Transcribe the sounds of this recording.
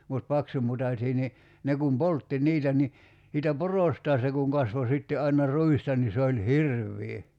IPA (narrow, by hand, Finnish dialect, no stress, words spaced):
mut pɑksumutɑsʲiː ni ne kum poltːi niːtæ ni siːtæ porostɑː se kuŋ kɑsʋo sitːe ʔɑinɑ rˑuistɑ ni se olʲ hirʋːiː